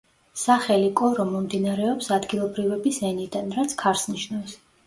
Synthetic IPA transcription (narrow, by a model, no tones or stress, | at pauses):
saχɛlikʼɔɾɔmɔmd̪inaɾɛɔpsad̪ɡilˠɔbɾivɛbisɛnid̪anɾat̪sʰkʰaɾsniʃnɔɛs